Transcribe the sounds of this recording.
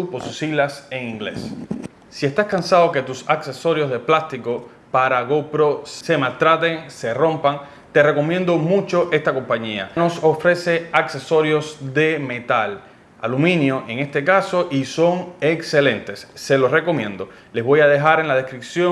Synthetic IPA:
poɾsusilaseŋĩŋɡlḛs | siest̪askansaðo̞ke̞t̪usakse̞so̞ɾjo̞zðe̞plast̪iko̞ | paɾaɣopɾo̞sse̞malt̪ɾat̪e̞ŋse̞rõ̞mpaŋ | t̪e̞re̞ko̞mjẽnd̪o̞mũt͡ʃo̞ʔe̞st̪ako̞mpaɲia̰no̞sofɾe̞se̞akse̞so̞ɾjo̞sðe̞me̞t̪al | a̰lumĩnjo̞ʔe̞ŋe̞st̪e̞kaso̞ʔiso̞ŋekse̞lẽ̞nt̪e̞sːe̞lo̞sre̞ko̞mjẽ̞nd̪o̞ | le̞zβo̞jaðe̞ɦaɾe̞nlaðe̞skɾip̚sjo

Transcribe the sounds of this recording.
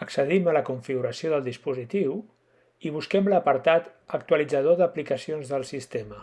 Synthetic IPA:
əksəðimələkuɱfiɣuɾəsioðəlˠd̪ispuzit̪iw | iβ̞uskɛmləpəɾt̪at̪ | ək̚t̪uəlid͡zəð̞oðəplikəsionzðəlˠsist̪emə

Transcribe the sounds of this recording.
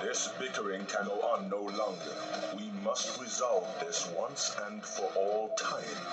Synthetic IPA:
ðɪsb̥ɪkə˞ɪ̃ŋkʰɨ̃noʔə̃nːoʊlɔ̃ŋɡə̰˞wimʌst̚ɹɪzʌlˠtðɪswʌ̃nsɨ̃nfə˞ʔɔlˠtʰãɪ̃m

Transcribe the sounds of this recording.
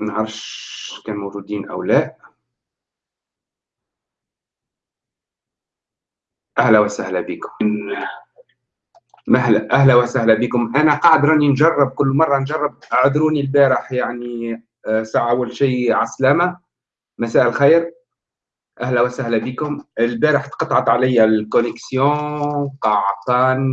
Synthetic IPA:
nʕɑɾˤʃkæːnmawʒuːd̪iːnʔæ̰wlæːʔ | ʔæhlæwæsæhlæbiːkʊm | mæɦlæʔæhlæwæsæhlæbiːkʊmʔænæqɑʕd̪ɾˤɑninʒɑrˤːɑb̚kʊlːmɑrˤːɑnʒɑrˤːɑb̚ʔaʕd̪ɾuːnilbæːɾɪħjaʕni | sɑʕʔawːalʃiːʕaslæmæ | mæsæːʔɪlxijɾ | ʔæhlæwæsæhlæbiːkʊmɪlbæːɾəħt̪qɑt̪ˤʕɑt̪ˤʕalɪjːælkʊnɪksjɔ̃qɑʕt̪ɑn

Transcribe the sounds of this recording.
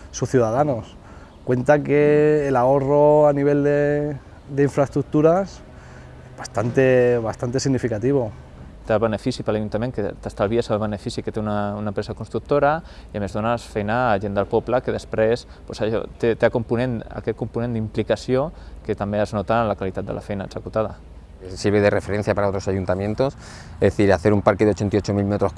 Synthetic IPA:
suθjuðaðanos | kwe̞nt̪akeːlaoroaniβ̞eld̪e | d̪eiɱfɾaest̪ɾuk̚t̪uɾas | ezβast̪ant̪eβast̪ant̪esiɣnifikat̪iβo | t̪ealβənəfisipəlaʒunt̪amẽŋkət̪əst̪alβiasalβənəfisikət̪eunaunampɾesakunst̪ɾuk̚t̪oɾɐiamezðonasfɛjnaːʒend̪əlˠpɔpləkəðəspɾes | posaʒo̰t̪et̪eakumpunẽna̰kɛt̪̚kumpunẽnd̪implikɐsiokət̪ɐmbeəznot̪alakalit̪at̪d̪ə̰lʔa̰fɛjna̰ːɡsəkut̪aðɐ̰ | siɾβeðerefeɾenθjapaɾaot̪ɾosajunt̪amjẽnt̪os | eðeθiɾaθeɾumpaɾkeðeot͡ʃent̪iot͡ʃomilmet̪ɾo

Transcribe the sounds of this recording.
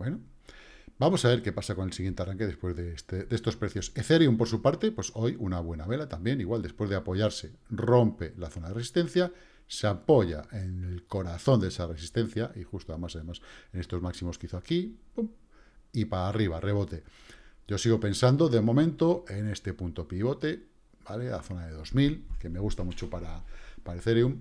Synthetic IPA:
bweno | bamo̞saβe̞ɾke̞pasako̞nelsiɣjent̪earaŋke̞ðe̞spwe̞zðest̪ede̞st̪o̞spɾe̞θjo̞seθe̞ɾjumpo̞ɾsupaɾt̪epwe̞so̞junaβ̞we̞naβe̞lat̪ambje̞niɣwald̪e̞spwe̞zðeapo̞ʝaɾse̞ro̞mpe̞laθo̞naðeresist̪e̞n̟θja | seapo̞ʝa̰ʔe̞nelko̞ɾaθo̞nd̪eesare̞sist̪e̞nθjaʔixust̪oaðemasaðe̞mase̞ne̞st̪o̞zmaksimo̞skeiθoakipum | ipaariβ̞are̞βo̞t̪e̞ɟ͡ʝo̞siɣ̞o̞pe̞nsand̪o̞ðe̞mõ̞mẽ̞nt̪o̞e̞ne̞st̪e̞punt̪o̞piβ̞o̞t̪e̞ | b̥ale̞a̰θo̞naðe̞ðo̞zmilke̞me̞ɣ̞ust̪amut͡ʃo̞paɾapaɾeθeɾjum

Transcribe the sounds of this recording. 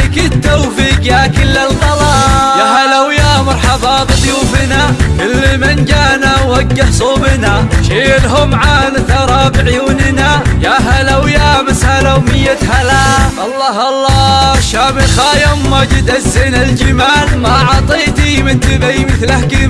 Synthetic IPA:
kɪt̪ːowfiːqjakɪlːalqɑlɑjaɦalawjamɑɾˤħɑbɑːbɨðˤjuːfɪnakʊlːmɪnd͡ʒaːnawːaɡːɪħsˤuːbɪnaʃiːlɦʊmʕaːnθɑɾˤɑːbiʕjuːnɪnajaɦalawjamɪshalawmɪjːat̪halaʔɑlˤːɑːhɑlˤːɑːʃaːmɪlxaːjamːad͡ʒɪd̪azːɪnald͡ʒɪmaːlmaʕɑt̪ˤiːt̪imɪnt̪ɪbajmɪθlahkɪ

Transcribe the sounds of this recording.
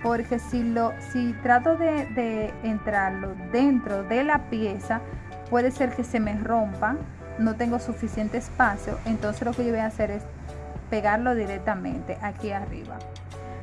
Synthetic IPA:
po̞ɾke̞silosit̪ɾat̪o̞ðeðe̞ːnt̪ɾaɾlo̞ðe̞nt̪ɾo̞ðe̞lapje̞sa | pwe̞ðe̞se̞ɾke̞se̞me̞ro̞mpaŋ | no̞t̪e̞ŋɡo̞sufisje̞nt̪e̞ːspasjo̰ʔent̪o̞nse̞slo̞ke̞ʝoβojaːse̞ɾe̞s | pe̞ɣaɾlo̞ðiɾe̞k̚t̪amẽ̞̰nt̪e̞ʔakiarḭβa̰

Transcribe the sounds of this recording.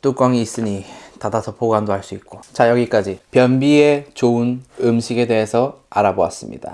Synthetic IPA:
t͈uk͈waŋiːs͈ɯɲitadasʰʌpʰoɡwandoɦaɭs͈uit̚k͈ot͡ɕajʌɡik͈ad͡ʑipjʌnbiet͡ɕounɯmɕʰiɡe̞de̞ɦesʰʌaɾaboa̰s͈ɯmɲḭd̥a̰

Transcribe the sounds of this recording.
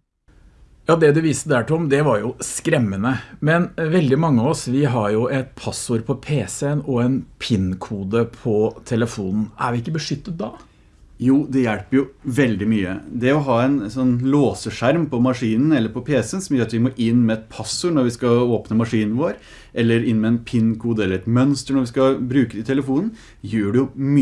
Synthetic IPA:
jɑːd̪ɛd̪ɛʋiːsəd̪æːʈɪɔmd̪ɛʋɑɾjʊskɾɛmːənəmɛnʋɛld̪ɪmɑŋːəɑɔsʋɪɦɑɾjʊʔɛt̪̚pʰɑsʊɾpʰɔpʰeːsɛənɔɛnpʰɪnkʰuːd̪əpʰɔt̪ʰɛləfuːnn̩æ̰ɾʋɪɪkːəbəʂʏt̪ːət̪̚d̪ɑ | juːd̪ɛjæɽpəɾjʊʋɛld̪ɪmyːə̰d̪ɛɔɦɑːɛnsɔnːloːsəʂæɾmpɔmɑʂiːnn̩ɛlːəɾpʰɔpʰeːsɛənsɔmjøːɾɑt̪ʋɪmoʔɪnːmɛɛt̪̚pʰɑsʊɾɳɔɾʋɪskɑoːpnəmɑʂiːnn̩ʋoːɾ | ʔɛlːəɾɪnːmɛːnpʰɪnkʰuːd̪əɛlːəɾɛt̪mœnst̪əɳɔɾʋɪskɑbɾʉːkəd̪ɪt̪ʰɛləfuːnən̩ | jøːɖɛjʊm

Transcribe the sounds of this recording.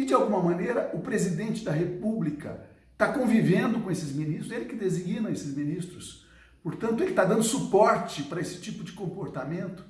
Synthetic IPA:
ɪd͡ʒɪawɡũmɐmɐ̃nejɾɐʔʊpɾezid̪ẽnt͡ʃɪd̪ɐɦepublikɐ̰ | t̪akõvivẽnd̪ʊkõesɪzminist̪ɾʊelɪkɪd̪eziɡĩnɐesɪzminist̪ɾʊs | poɾt̪ɐ̃nt̪ʊelɪt̪ad̪ɐ̃nd̪ʊsupɔɾt͡ʃɪpaɾɐesɪ̥t͡ʃipʊd͡ʒɪkõmpoɾt̪amẽnt̪ʊ̥

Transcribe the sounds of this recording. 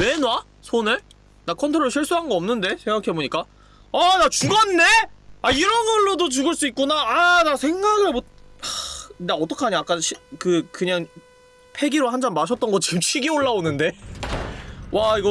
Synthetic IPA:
e̞nwa | sʰonɯɭ | nakʰʌntʰoɾoɾoɕʰiɭs͈uɦanɡʌʌmnɯnde̞sʰeŋɡakʰeboɲik͈a | anat͡ɕuɡanːe̞aiɾʌnɡʌɭːodot͡ɕuɡɯɭs͈uik̚k͈unaːnasʰeŋɡaɡɯɾbo | daʌt͈ʌkʰaɲiak͈anɕʰikɯkɯɲaŋ | pʰe̞ɡiɾohand͡ʑʰanmaɕʰʌt͈ʌnɡʌt͡ɕimt͡ɕʰiɡioɭːaonɯnde̞ | waiɡʌ

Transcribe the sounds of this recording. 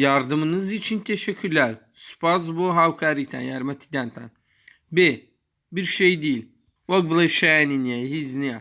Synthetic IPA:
jɑɾd̪ɯmɯnɯzit͡ʃʰint̪ʰeʃɛcʰːylʲæɾ | spʰazbuɦawkʰaɾit̪ʰæ̰njæɾmɛt̪ʰi̥d̪ænt̪ʰa̰n | be | biɾʃejd̪ijilʲ | woɡ̚blˠeʃɛninijaɦiznia

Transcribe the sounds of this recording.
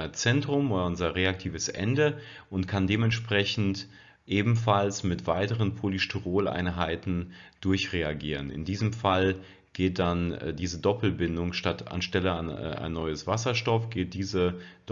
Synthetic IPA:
ɐt͡sɛntʁ̥ʊmoːdɐʊnzɐʁeak̚tʰiːvəsʔɛ̰ndəʔʊntkʰandeːmɛntʃpʁ̥ɛçn̩t | ʔeːbm̩falsmɪtv̥aɪtəʁənpʰoliʃtuʁoːla̰ɪnɦaɪtn̩d̥ʊɐçʁeaɡḭːʁənɪ̰ndiːzəmfal | ɡ̥eːt̚d̥anːdiːzədɔpl̩bɪndʊŋʃtata̰nʃtɛləa̰n̰ːʔa̰ɪnːɔʏəsv̥asɐʃtɔfɡ̥eːt̚d̥iːzəd̥

